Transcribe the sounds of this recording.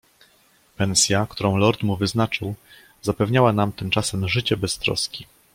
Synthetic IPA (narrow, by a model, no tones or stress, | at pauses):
pɛnsʲjakt̪uɾɔ̃w̃lɔɾt̪muvɘznat͡ʂɘw | zapɛvɲawan̪amt̪ɘmt͡ʂasɛmʐɘt͡ɕɛbɛst̪ɾɔ̰skʲi